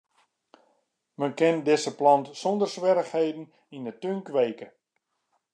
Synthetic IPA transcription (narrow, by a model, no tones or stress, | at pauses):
mənkɛndɪsəplɑntsɔndərsʋɛɾəxhejdn̩ | indətøŋkʋeːkə